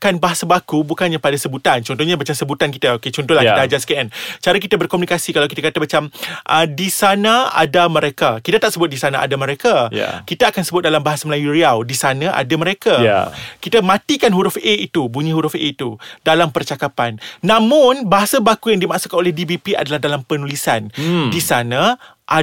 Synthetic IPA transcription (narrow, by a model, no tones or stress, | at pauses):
kanbaɦasabakubukanɲapadasəbut̪ant͡ʃɔnt̪ɔhɲamat͡ʃamsəbut̪ankit̪aoket͡ʃɔnt̪ɔhlahkit̪aad͡ʒasə̥kɛɛnt͡ʃaɾak̬it̪abərkomunikasikalawkit̪akat̪amat͡ʃamʔədisanaa̰damə̃ɾekakit̪at̪aʔsəbʊt̪̚disanaʔa̰daməɾekaja̰kit̪aakansəbʊt̪̚dalambaɦasaməlajuɾiawdisanãʔa̰damə̃ɾeka̰kit̪amãt̪ikanɦuɾʊfeit̪ubuɲĩɦuɾʊfḛit̪udalampərt͡ʃakapanːãmʊnbaɦasabakujaŋdimaʔsukanolɛhdibipiʔa̰dalahdalampənulisandisana | ʔa